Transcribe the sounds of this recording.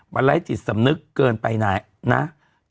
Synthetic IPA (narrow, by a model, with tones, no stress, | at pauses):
ba˧nla˦˥jt͡ɕi˨˩t̪̚sa˨˦mnɯ˦˥kːəː˧npa˧jnaː˨˩˦j | na̰˦˥